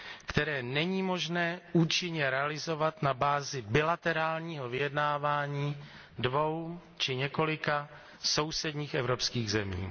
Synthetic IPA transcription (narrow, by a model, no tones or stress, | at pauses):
kt̪ɛɾɛːnɛɲiːmo̞ʒnɛːuːt͡ʃɪɲɛɾɛalɪzo̞vat̪nabaːzɪbɪlat̪ɛɾaːlɲiːɦo̞vɪjɛdnaːvaːɲiː | dvo̞w | t͡ʃɪɲɛko̞lɪka | so̞wsɛdɲiːxɛvɾo̞pskiːɣzɛmḭː